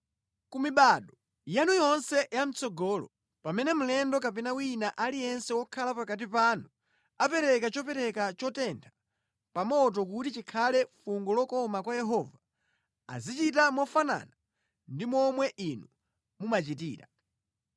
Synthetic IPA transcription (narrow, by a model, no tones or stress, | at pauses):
kumiɓaɗɔ | janujɔnsɛjam̩t͡sɔɡɔːlɔ̰ | pamɛnɛm̩lɛndɔkapɛnawinaʔalijɛnsɛwɔkʰalapakat̬ipanu | apɛɾɛkat͡ʃɔpɛɾɛkat͡ʃɔtɛntʰḁ | pamɔt̬ɔkutit͡ʃikʰalɛfuŋɡɔlɔkɔmakwajɛɦɔva | a̰zit͡ʃitamɔfana̰ːna | ndimɔmwɛʔinu | mumat͡ʃitḭːɾa̰